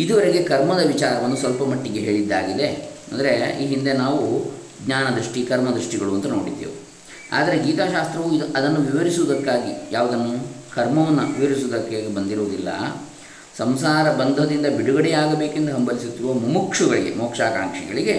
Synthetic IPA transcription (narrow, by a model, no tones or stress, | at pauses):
id̪uʋɐɾeɡe̞kɐɾmɐd̪ɐʋit͡ʃaːɾɐʋɐnːusʋɐlpɐmɐʈːiɡeɦe̞ːɭid̪ːaːɡid̪e̞ɐ̰nd̪ɐɾe̞iːɦind̪e̞naːʋu | ɡɲaːnɐd̪ɾiʂʈikɐɾmɐd̪ɾiʂʈiɡɐɭuɐnt̪ɐnoːɽid̪ːḛːʋu | a̰ːd̪ɐɾeɡiːt̪aːʃaːst̪ɾɐʋuid̪ʔɐd̪ɐnːuʋiʋɐɾisuːd̪ɐkːaːɡijaːʋud̪ɐnːukɐɾmɐʋɐnːɐʋiʋɐɾisoːd̪ɐkːaːɡibɐnd̪iɾoːd̪ilːɐ̰ | sɐmsaːɾɐbɐnd̪ʱɐd̪ind̪ɐbiɽuɡɐɽɛjaːɡɐbeːkend̪uɦɐmbɐlisut̪ːiɾuʋɐmumukʂuɡɐɭiɡe̞̰mɔːkʂaːka̰ːŋkʂiɡɐ̰ɭiɡe̞